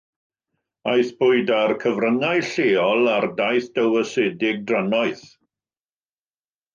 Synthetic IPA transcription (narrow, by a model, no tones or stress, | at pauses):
ajθb̥ʊɨdarkʰəvrəŋajɬeːɔlˠardajθd̥əwəseːdɪɡ̚dranɔɨθ